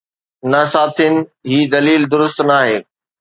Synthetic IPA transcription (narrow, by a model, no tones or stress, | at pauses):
nɐsaːt̪ʰinɪ̆ɦiːd̪ɐliːld̪ʊɾʊst̪naːɦeː